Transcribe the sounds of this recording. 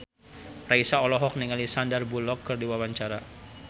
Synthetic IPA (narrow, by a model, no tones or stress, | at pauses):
raisaɔlɔɦɔk̚niŋalisandərbulɔkːɨrdiwawaɲt͡ʃaɾa